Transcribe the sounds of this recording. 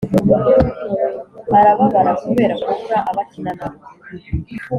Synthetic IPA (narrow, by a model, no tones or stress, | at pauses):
aɾaβaβaɾakuβe̞ːɾakuβuɾaʔaβatinanaβe